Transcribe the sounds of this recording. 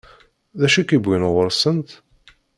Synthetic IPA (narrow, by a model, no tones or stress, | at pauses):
ðæʃikibːinʁəɾˤsənt̪